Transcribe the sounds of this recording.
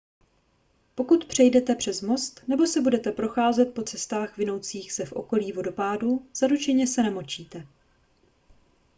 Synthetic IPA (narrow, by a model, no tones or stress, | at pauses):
po̞kut̪pr̝̥ɛjdɛt̪ɛpr̝̥ɛzmo̞st̪nɛbo̞sɛbudɛt̪ɛpɾo̞xaːzɛt̪̚po̞t͡sɛst̪aːxvɪno̞wt͡siːxsɛfʔo̞̰ko̞liːvodo̞paːduz̥aɾut͡ʃɛɲɛsɛnɛmo̞t͡ʃiːt̪ɛ